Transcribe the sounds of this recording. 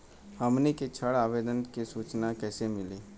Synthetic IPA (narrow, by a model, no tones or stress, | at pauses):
həmneket͡ʃʰəɽaːʋeːd̪ənkesuːt͡ʃnakɛːsemɪleː